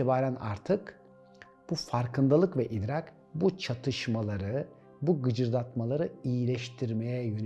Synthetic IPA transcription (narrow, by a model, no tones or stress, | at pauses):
ibaːɾæna̰ɾt̪ʰɯk | b̥ufaɾkʰɯnd̪alˠɯkvɛʔid̪ɾak | but͡ʃʰat̪ʰɯʃmalˠaɾɯ | buɡɯd͡ʒɯɾd̪at̪malˠaɾɯijilʲɛʃt̪ʰiɾmejɛjøn